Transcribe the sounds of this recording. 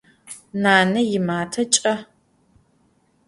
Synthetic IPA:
naːnɐjɪmaːtʰɐt͡ʃʼɐ

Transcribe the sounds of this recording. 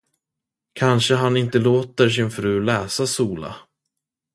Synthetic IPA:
kʰanʂəɦanɪnt̪əloːt̪əɾʂ̬ɪnfɾʉ̟ːlɛːsasuːla̰

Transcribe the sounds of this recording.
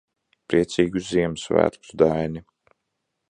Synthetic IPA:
pɾiɛt̪siːɡuziɛmsvæ̰ːɾt̪ud̪ajni

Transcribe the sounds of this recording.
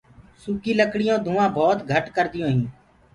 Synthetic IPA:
suːkiːləkɽɪjõːd̪ʱũːãːbʱɔːt̪ɡʱəʈkəɾd̪ɪjõːɦĩː

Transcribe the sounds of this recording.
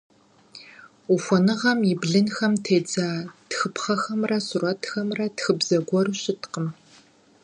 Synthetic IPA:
ufʷɔnɨʁɐmibɮɨnxɐmtʰeːd͡zaːtxɨpχɐxɐmrɐsurɔtʰxɐmrɐtxɨbzɐɡʷɔrɨɕɪtqəm

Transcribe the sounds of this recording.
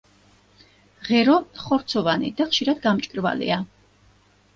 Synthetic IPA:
ʁɛɾɔχɔɾt̪sʰɔvanḭd̪aχʃiɾad̪ɡamt͡ʃʼkʼɾva̰lḭa

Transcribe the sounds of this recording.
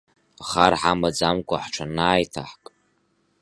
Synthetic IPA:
χarħamad͡zamkʷʼaħʈ͡ʂʷʰanaːjtʰa̰ħkʼ

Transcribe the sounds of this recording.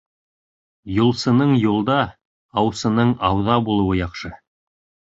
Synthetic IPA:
julˠsɤ̆nɤɴjulˠd̪ɑ | ɑwsɤ̆nɤɴɑwðɑbulˠɤ̆wɤjɑχʃɤ

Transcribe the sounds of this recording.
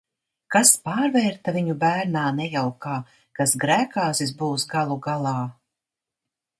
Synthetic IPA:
kaspaːɾvɛːɾt̪aviɲubæːɾnaːnɛjawkaː | kasɡɾæːkaːsizbuːsɡalˠuɡalˠɑː

